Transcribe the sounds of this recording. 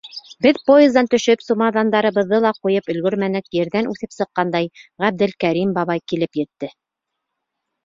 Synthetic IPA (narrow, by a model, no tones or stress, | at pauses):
bɘðpojezd̪ɑnt̪ɵ̆ʃɵpsumɑðɑnd̪ɑɾɤ̆βɤ̆ðːɤlˠɑqujɤpɵ̆lɡɵɾmænɘkjɘ̆ɾðænʔʉθɘpsɤ̆qːɑnd̪ɑjʁæb̚d̪ɘlkæɾimbɑβɑjkilɘpjɘ̆t̪ːɘ